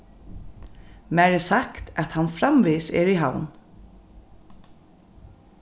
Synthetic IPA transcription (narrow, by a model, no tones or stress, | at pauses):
mæːɹɛsakt̪ɛt̪hanfɾamʋiːsɛ̰ɾiɦa̰wn